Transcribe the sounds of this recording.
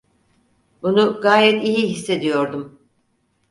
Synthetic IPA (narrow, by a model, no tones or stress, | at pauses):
bunuɡaːjɛt̪iɦiɦisːe̞d̪ijo̞ɾd̪um